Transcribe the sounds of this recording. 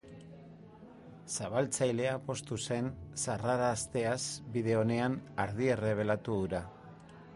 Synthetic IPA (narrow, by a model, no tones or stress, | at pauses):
saβ̞alt͡sajle̞apo̞st̪use̞nsaraɾaːst̪e̞asbiðe̞o̞ne̞anaɾð̞iere̞β̞e̞lat̪uðuɾa